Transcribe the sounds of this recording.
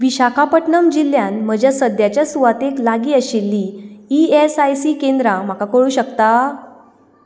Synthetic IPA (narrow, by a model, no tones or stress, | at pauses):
ʋiɕakʰapəʈɳəmd͡ʑil̤janm̤əd͡ʑjasəd̪jat͡ɕjasuʋat̪eklaɡiːəɕilːiːiesajsiːkẽnd̪ɾam̤akakəɭuːɕəkt̪a